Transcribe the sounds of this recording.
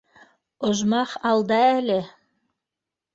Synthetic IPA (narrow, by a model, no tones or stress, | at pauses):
ŏʒmɑχɑlˠd̪ɑælɘ